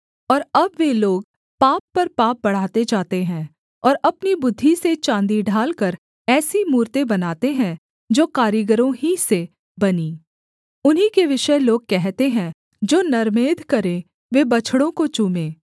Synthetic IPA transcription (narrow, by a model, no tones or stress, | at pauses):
ɔːɾɐbʋeloːɡ | paːpːɐɾpaːp̚bɐɽ̤aːt̪ed͡ʒaːt̪eɦɛ̃ː | ɔːɾɐpnibʊd̪ʱːiset͡ʃãːnd̪iɖʱaːlkəɾ | ɛːsimuːɾt̪ẽbɐnaːt̪eɦɛ̃ | d͡ʒoːkaːɾjəɡəɾõɦise | bɐniː | ʊnɦikeʋɪʃəloːɡ̚kɛɦt̪eɦɛ̃ | d͡ʒoːnɐɾmeːd̪ʱkɐɾẽ | ʋebɐt͡ʃʰɽõkot͡ʃuːmẽː